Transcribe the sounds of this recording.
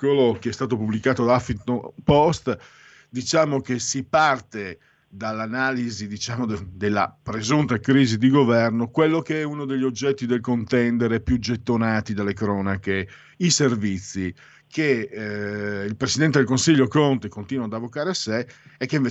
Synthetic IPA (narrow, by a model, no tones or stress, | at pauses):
kelokeɛst̪aːt̪opublikaːt̪od̪aafit̪opɔst̪ | d̪it͡ʃaːmok̟esipart̪e | d̪alːanaːlizid̪it͡ʃaːmod̪d̪elːa̰pɾezunt̪akɾiːzid̪iɡovɛrnokwelːokeɛunod̪eʎːiod͡ʒːɛt̪ːid̪elkont̪ɛnd̪eɾepjud͡ʒet̪ːonaːt̪id̪alːekɾɔːnake | iservit̪sːi | ke | ilpɾesid̪ɛnt̪ed̪elkonsiʎːokont̪ekont̪iːnwad̪avːokaːɾeaseː | kːeiɱve